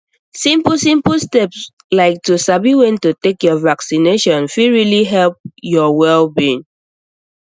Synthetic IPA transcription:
sĩmplsĩmplstɛps | laɪk̚tusabiwɛ̃ntutekjɔvaksineʃɔ̃nfiɹiliɦɛlp̚jɔwɛlbĩn

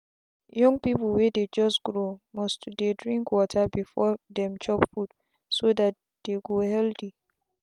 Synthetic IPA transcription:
jɔ̃ŋpipl̩wɛded͡ʒɔstɡ̥ɹomɔstdedɹĩŋkwɔtʰabifɔdɛ̃mt͡ʃɔpfut | sodat̚ | d̥eɡohɛlti

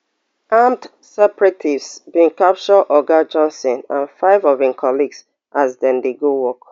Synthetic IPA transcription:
ãmt | sɛpɹɛtʰivsbĩŋkap̚t͡ʃɔʔɔɡad͡ʒɔ̃nsɔ̃nã̰nfaɪvɔvĩŋkʰɔliɡs | ʔazdɛ̃ndeɡowɔk

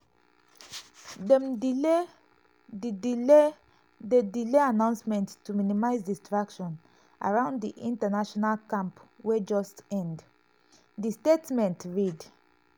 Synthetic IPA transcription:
dɛm | didile | dedileanãʊ̃nsmɛ̃nttːuminimaɪzdistɹakʃɔ̃n | ʔa̰ɹãʊ̃nddiʔĩntənaʃɔnalkãmpwed͡ʒɔstɛ̃nd | distetmɛ̃ntɹid

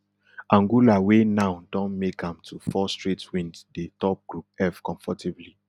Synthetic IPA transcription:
ãŋɡulawenaʊdɔ̃nmekãmtʰufɔstɹitʰwĩnddetɔp̚ɡ̥ɹup̚ɛfkɔ̃ɱfɔtʰibli

